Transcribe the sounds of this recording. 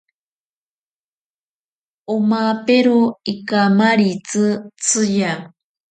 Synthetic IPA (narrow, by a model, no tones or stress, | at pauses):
omapeɾoikamaɾit͡sɨt͡sʰɨja